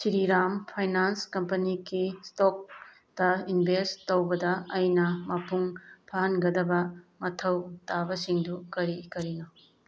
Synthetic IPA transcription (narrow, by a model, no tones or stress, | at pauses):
siɾiɾampʰajnanskɐmpɐnikistok̚ | dɐinbʱestowbɐdɐːjnɐmɐpuŋpʰaɦɐnɡɐdɐbɐmɐtʰɐwtabɐsiŋdukɐɾikɐɾino